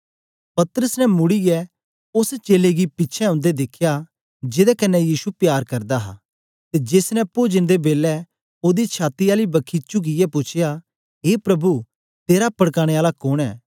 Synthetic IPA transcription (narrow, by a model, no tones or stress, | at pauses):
pɐt̪əɾəsnɛmʊɽiɡɛ | ʊst͡ʃeːleɡipɪtːt͡ʃʰɛɐ̃ʊnd̪ed̪ɪkʰja | d͡ʒɪd̪ɛkɐnːɛjiːsupjaːɾkɐɾd̪aɦa̰ː | t̪ed͡ʒesnɛpoːd͡ʒənd̪ebeːlɛ | oːd̪it͡ʃʰaːt̪iaːlibɐkʰit͡ʃʊɡɪjɛpʊt͡ʃʰɪja | ɦeːpɾɐbu | t̪eːɾapɐɽkaːɽ̃eaːlakʊɽ̃ɛ̰ː